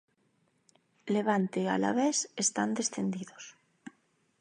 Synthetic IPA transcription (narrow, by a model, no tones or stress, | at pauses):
leβ̞ant̪ea̰la̰βesest̪and̪esθend̪iðos